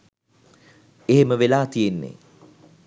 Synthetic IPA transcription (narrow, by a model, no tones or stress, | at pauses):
eɦeməʋelaːt̪ijenːḛ